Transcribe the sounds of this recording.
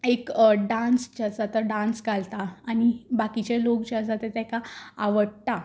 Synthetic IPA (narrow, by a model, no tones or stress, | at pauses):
ekɖãnst͡ɕad͡zat̪əɖãnsɡalt̪aːñibakit͡ɕelokt͡ɕad͡zat̪et̪akaːʋəɽt̪a